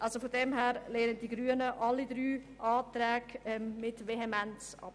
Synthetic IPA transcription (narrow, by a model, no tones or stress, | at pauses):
ʔɑlsofodɛmɦɛːɾleːnənd̥iɡɾyːənəʔɑlːidɾyː | ʔɑːtɾɛːɡɛmmɪtveɦemɛnt͡sʔɑ̰p